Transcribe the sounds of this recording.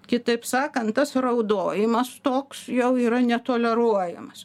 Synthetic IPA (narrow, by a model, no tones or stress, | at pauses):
kʲɪt̪ɐɪpsɑːkɐnt̪t̪ɐsrɐʊd̪oːjɪmɐst̪oːksjɛʊiːɾɐnʲɛt̪oːlʲɛɾuɔjɛ̰mɐs